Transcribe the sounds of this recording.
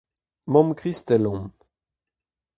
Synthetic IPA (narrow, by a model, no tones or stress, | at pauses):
mɔmkχist̪ɛlɔ̃m